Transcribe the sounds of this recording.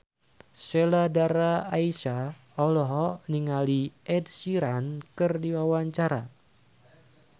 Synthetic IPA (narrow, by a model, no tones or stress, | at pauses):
seladaɾaːisa | ɔlɔɦɔniŋaliʔɛdsiɾankɨrdiwawaɲt͡ʃaɾa̰